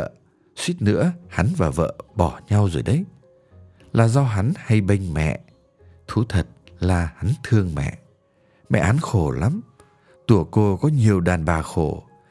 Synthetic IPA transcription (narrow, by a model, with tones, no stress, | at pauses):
ə˧˨ | swi˦˥t̚nɨ̰˧˥əha˨˦nvaː˨˩və̰ː˧˨ɓɔ˧˩ɲa˧wzo˨˩jɗə˨˦j | laː˨˩zɔ˧ɦa˨˦nha˧jɓə˧jŋ̟mɛ̰˧˨ʔ | t̪ʰu˨˦t̪ʰə˨˩t̚laː˨˩ha˨˦nt̪ʰɨ˧əŋmɛ̰˧˨ʔ | mɛ̰˧˨ha˨˦nxo˧˩la˨˦m | t̪u˧˩əko˧kɔ˨˦ɲi˨˩əwɗaː˨˩nɓaː˨˩xo˧˩